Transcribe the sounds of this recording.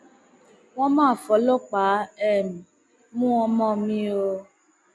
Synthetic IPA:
w̃ɔ̃˦mãː˦˨fɔ˨˦lɔ˦k͡pa˨˦ɛ˦˨mĩ˨ | mũ˦ɔ˧mɔ̃˦˨mĩ˧˦o˧

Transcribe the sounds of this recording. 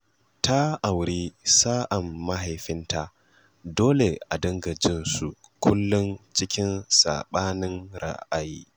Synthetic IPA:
ta˦ʔa˨wɾi˦saː˦ʔa˨mːa˦ɦa˨jɸɪ˦nta˦ | doː˦le˨ʔa˨dɐ˦ŋɡɐ˨d͡ʒɪ˦nsu˨ | kʰʷʊ˦lːʊ˦nt͡ʃɪ˦kʲɪ˦nsa̰ː˨ɓaː˦nɪ˦nɾa̰˦ʔa˨ji˦

